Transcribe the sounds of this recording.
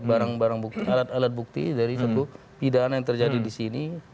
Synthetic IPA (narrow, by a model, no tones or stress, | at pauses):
baɾaŋbaɾaŋbuk̚t̪ialat̪alat̪̚buk̚t̪ḭd͡ʒaɾisat̪u | pidanajaŋt̪ərd͡ʒadidisini